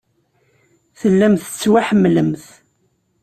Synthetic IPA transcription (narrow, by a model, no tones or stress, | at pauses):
θəlːæmθət͡sːwaħəmːləmθ